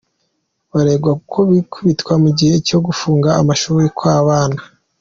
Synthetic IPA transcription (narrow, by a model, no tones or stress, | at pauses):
βaɾe̞ːɡwakukʰo̞βikʰuβitkwamuɟihe̞ico̞ɡufuːŋɡaːmaʃuːɾikwaːβaːna